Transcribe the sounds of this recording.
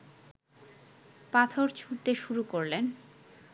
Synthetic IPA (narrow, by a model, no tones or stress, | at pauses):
pat̪ʰoɾt͡ɕʰuɽt̪eʃuɾukoɾlen